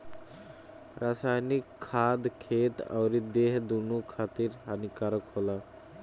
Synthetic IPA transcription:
ɾasajnikʰːad̪kʰet̪a̰ʊɾid̪eɦd̪unukʰat̪iɾanikaɾəkɦola

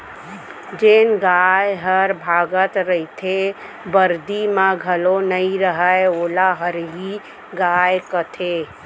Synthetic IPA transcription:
d͡ʒeːnɡajɦəɾbʱaːɡət̪ɾəit̪ʰe | bəɾd̪imãɡʱəlonəĩɾəɦəeoːlaɦəɾɦi | ɡaːjkət̪ʰe

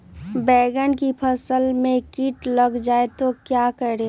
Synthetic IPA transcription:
bɛːɡənkipʰəsəlmẽkiːʈləɡd͡ʒaːet̪okjakəɾe

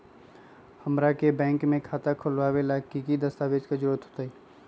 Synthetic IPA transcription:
həmɾakebɛ̃ːŋkmẽkʰaːt̪akʰʊlʋaːʋelakikid̪əst̪aːʋeːd͡ʒkad͡ʒɾuɾət̪ɦoːt̪ai

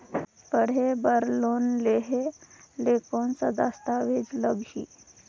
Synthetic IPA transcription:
pəɽ̤ebəɾlonleɦelekonsə̰d̪ast̪aʋed͡zləɡɕḭ

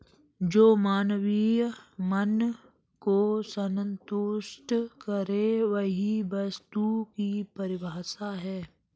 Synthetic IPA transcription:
d͡ʒoːmaːnʋimən | kosənənt̪ʊʃʈkəɾeʋəɦiʋɐst̪ukipəɾɪbaːsaɦɛː

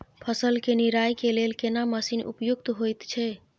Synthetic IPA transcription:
pʰəsəlkeniɾajkelelkenaməsinṵpjukt̪ɦojt̪t͡ʃʰɛ

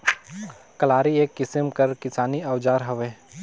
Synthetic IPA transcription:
kɐlaːɾieːkːɪsəmkəɾkɪsaːniɐwd͡ʒaːɾɦɐʋeː

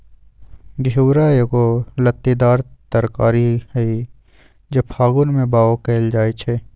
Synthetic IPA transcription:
ɡʱuːɾajekolət̪ːid̪aːɾt̪əɾkaːɾihɛi | d͡ʒɐbhaːɡʊnmẽbaːokeːld͡ʒaːit͡ʃʰɛː

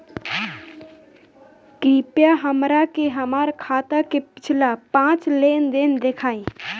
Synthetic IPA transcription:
kɾiːpjaɦəmɾakeɦəmaːɾkʰaːt̪akepɪ̥t͡ʃʰlapãːt͡ʃleːnd̪end̪ekʰaːĩ

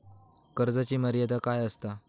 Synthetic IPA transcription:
kəɾd͡zat͡ɕiːməɾjat̪akajəst̪a

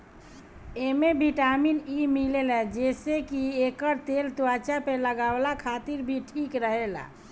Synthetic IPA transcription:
emebʱiʈaminimilelɛd͡ʒesekiekəɾt̪elt̪uwat͡ʃapeləɡablakʰat̪iɾbʱiʈʰikɾəɦela̰

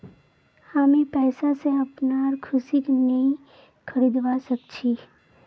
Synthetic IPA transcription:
haːmĩpɛːsaseɐpnaːɾkʰʊsiknɐɦĩ | kʰɐɾiːd̪ʋasɐkt͡ʃʰi

